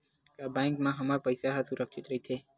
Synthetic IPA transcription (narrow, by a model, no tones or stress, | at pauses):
kabãːŋkmãɦəmaːɾpəjsaɦasʊɾʔəkʃɪt̪ɾəɦit̪ʰeː